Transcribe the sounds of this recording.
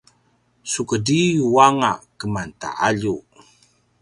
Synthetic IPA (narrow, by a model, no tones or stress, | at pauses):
sukədijuwaŋaʔkəmant̪a̰ʔaʎu